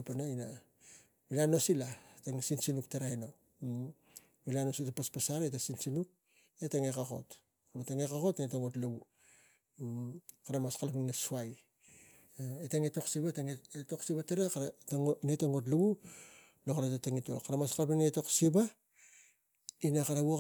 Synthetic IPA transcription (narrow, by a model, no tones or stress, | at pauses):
panaina | milano̞silaetaŋsinsinuk̚teɾaeno | milanositapaspasaɾetasinsinuk̚ | etaŋekako̞̰t | kmataŋekako̞tnetoŋo̞tluwu | kaɾamaskalpiŋnasuaj | etaŋeto̞ksibataŋeto̞ksibateɾakaɾanetoŋo̞t̬lawu | lokaɾatataŋitokːaɾamaskalpiŋeto̞ksiba | inakaɾawo